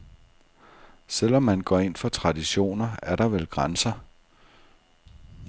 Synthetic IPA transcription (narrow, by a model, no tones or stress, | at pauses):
sel̰ɒ̽mːænɡ̥ɒ̰e̝n̰fɒ̽t͡sʰʁɑ̈diɕo̝̰ːnɐæɐɾ̥ɑ̈ʋelɡ̥ʁansɐ